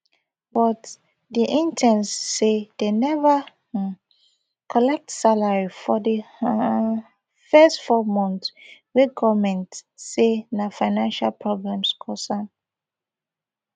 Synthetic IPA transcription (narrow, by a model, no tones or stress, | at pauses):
bɔt | diʔĩntʰɛ̃nsːedenɛva | kʰɔlɛk̚tsalaɹifɔdi | fɛstfɔmɔ̃ntwiɡɔvmɛ̃ntsenafaɪnãnʃalpʰɹɔɡɹãmskʰɔsãn